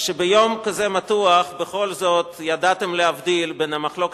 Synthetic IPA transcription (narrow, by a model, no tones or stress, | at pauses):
ʃebejo̞mkazemat̪uaχbeχo̞lzo̞t̪jad̪at̪e̞mlehavd̪ilbenamaχlo̞k